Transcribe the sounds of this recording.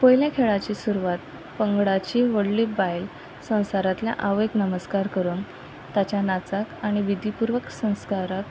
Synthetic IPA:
pəjljãkʰeɭat͡ɕiːsuɾuʋat̪ | pəŋɡɽat͡ɕiːʋəɽliːbajl | sə̃w̃saɾat̪lja̰ʔaʋeknəməskaɾkəɾuːn | t̪at͡ɕjanat͡sakaɽ̃iʋid̪ʱipuɾʋəksə̃w̃skaɾak

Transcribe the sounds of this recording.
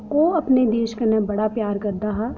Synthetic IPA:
koɐpned̪eːʃkɐnɛ̃bɐɽapjaːɾkɐɾd̪aɦa

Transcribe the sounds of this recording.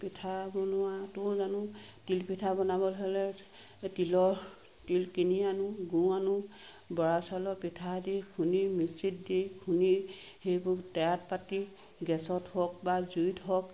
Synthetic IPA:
pitʰabɔnʊwatʊzanʊ | tilpitʰabɔnabɔlɦɔlɛ | tilɔɹ | tilkinianʊɡũanʊ | bɔɹasalɔpitʰadikʰunimisit̚dikʰuni | hejbʊktɛjatpati | ɡɛsɔthɔk̚bazujtɦɔk

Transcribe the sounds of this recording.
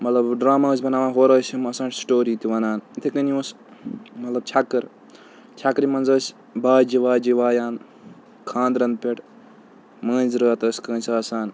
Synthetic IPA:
mɐt̪lɐbɖɾaːmaːs̬ʲbɐnaːʋãːɦoːɾɐːsʲimɐsãːɳʈsʈoːɾiːt̪iʋɐnaːnt̪ʰikɐnius | mɐt̪lɐbt͡ʃʰakːɨɾ | t͡ʃʰakɾimɐnzəːsʲ | baːd͡ʒiʋaːd͡ʒiʋaːjaːn | kʰãːnd̪ɾɐnd̪̚pʲeʈ | mə̃ːnzɾəːt̪ɐːsʲkə̃ːnʲsaːsaːn

